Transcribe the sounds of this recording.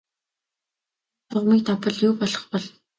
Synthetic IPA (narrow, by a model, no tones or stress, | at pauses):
tʰʊʁmiːk̚t̪ʰapə̆ɮjʊːpɔɮɞ̆χpɔɮ